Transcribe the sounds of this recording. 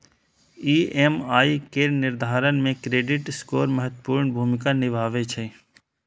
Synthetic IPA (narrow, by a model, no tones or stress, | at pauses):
iːemaːikenɪɾd̪ʱaːɾənmẽkɾeːɖɪʈskoːɾməɦət̪puːɾɳbʱuːmɪkanɪʋʱaːʋet͡ʃʰe